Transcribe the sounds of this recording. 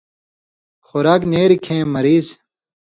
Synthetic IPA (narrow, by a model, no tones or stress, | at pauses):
xoɾaːkneːɾikʰẽːmɐɾiːz